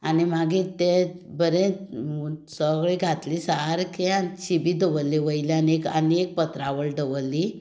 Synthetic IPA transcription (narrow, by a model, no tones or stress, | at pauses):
animaɡit̪ebəɾẽ | səɡɭiɡʱat̪lisaɾkeant͡ɕibiːd̪əʋəlːeʋəjlianekə̰nek̚pət̪ɾaʋəɭɖəʋəlːi